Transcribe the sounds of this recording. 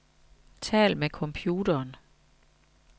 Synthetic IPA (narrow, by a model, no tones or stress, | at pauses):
t͡sʰɛ̰ːlmekʰɒ̽mpʰjuːɾ̥ɐːn